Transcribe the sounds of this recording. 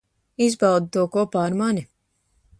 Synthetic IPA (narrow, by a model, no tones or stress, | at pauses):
izbawd̪t̪uɔkɔɔpaːɾmani